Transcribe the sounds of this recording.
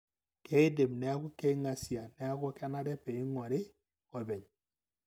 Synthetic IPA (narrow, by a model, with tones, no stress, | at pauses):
kɛ˦i˦de˨mnɛ˨˦a˦kɔ˦kɛ˦i˦ŋa˨si˨a˨nɛ˦a˦kɔ˦kɛ˦na˦ɾɛ˦pɛ˨i˦ŋwɔ˨ɾe˦ | ɔ˨bɛ˨ɲ